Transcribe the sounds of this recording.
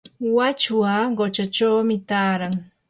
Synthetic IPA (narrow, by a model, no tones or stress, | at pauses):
wat͡ʃwaɢot͡ʃat͡ʃawmɪt̪aːɾaŋ